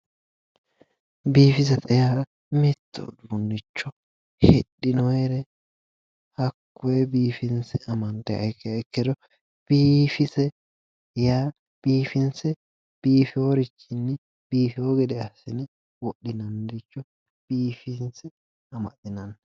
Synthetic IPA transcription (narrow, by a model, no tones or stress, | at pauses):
biːfɪzɐt̪ʰɛja | mɛt̪ʰːɔ̰d̪unːɪt͡ʃːɔ | hɛɗːɪnɔɛɾɛ | hɐkːʊɛbiːfɪnsɛʔɐmɐnt̪ɛɐ̰kːɛɛkːɛd̪ɔ | b̥iːfɪsɛ | jaː | b̥iːfɪnsɛ | b̥iːfɪwɔɾɪt͡ʃːɪnːɛ | b̥iːfɪwɔɡɛd̪ɛɐsɪnɛ | wɔɗːɪnɐnd̪ɪt͡ʃːɔ | b̥iːfɪnsɛ | ɐmɐ̰tɪnɐn